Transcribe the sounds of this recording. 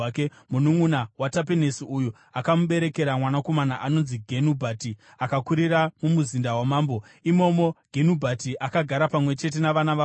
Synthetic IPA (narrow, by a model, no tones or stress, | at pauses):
ke | munuŋunawatap̬enesiuju | akamuɓe̞ɾe̞ke̞ɾamwanako̞manaʔano̞nziɡʱenubʱati | akakuɾiramumuzindawamaːmbo̞ | imo̞mo̞ɡʱenubʱatiʔakaɡʱaɾapamwe̞t͡ʃe̞t̬e̞naʋanaʋa